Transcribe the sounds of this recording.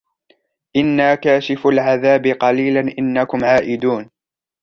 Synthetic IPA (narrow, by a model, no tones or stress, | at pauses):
ʔɪnːaːkaːʃɪfalʕaðaːbɪqɑliːlanʔɪnːakʊmʕaːʔɪd̪uːn